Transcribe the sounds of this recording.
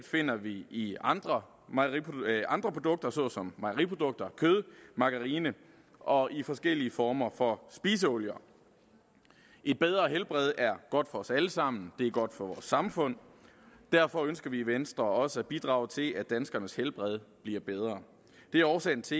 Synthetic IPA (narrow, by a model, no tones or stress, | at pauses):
fe̝n̰ɐʋiiɑnd̥ʁɐ | mɑiʔɑ̈nd̥ʁɐpʰʁo̝d̥ɔ̽ɡ̥̚d̥ɐsɒ̽sɒ̽mːɑ̈ɪʁipʰo̝d̥ɔ̽ɡ̥̚d̥ɐkʰøð̞ˠmɑ̈ɡ̥əʁiːnə | ʔɒ̽ʔifɒ̽sɡ̥el̰iəfɒːmɐfɒ̽sb̥iːs̬əɔljɐ | ʔe̝d̥̚b̥eð̞ˠʁɐɦelb̥ʁɛð̞ˠæɐɡ̥ɒ̽d̥fɒ̽ɒ̽sæləsɑ̈m̰n̩d̥e̝æɐɡ̥ɒ̽d̥fɒ̽ʋɒːsɑ̈mfɔ̽n̰d̥æɐfɒ̽ønsɡ̥ɐʋiːʋensd̥ʁɐɒ̽səæb̥id̥ʁɑ̈ːʊt͡sʰe̝læd̥ænsɡ̥ɐnəshelb̥ʁɛð̞ˠb̥liɐb̥eð̞ˠʁɐː | d̥e̝æɐɒʊsɛɪn̩t͡sʰe̝